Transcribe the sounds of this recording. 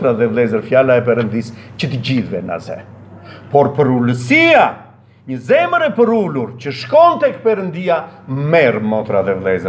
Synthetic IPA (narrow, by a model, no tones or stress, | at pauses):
t̪ɾaðɛvlˠɛzəɾfjalaɛp̬ɛɾənd̪ist͡ɕət̪əɟiðvɛna̰zɛ̰pɔɾpəɾuləsia | ɲəzɛməɾɛpəɾuluɾt͡ɕəʃkɔnt̪ɛk̚pɛɾənd̪iamɛɾmɔt̪ɾaðɛvlˠɛzəɾ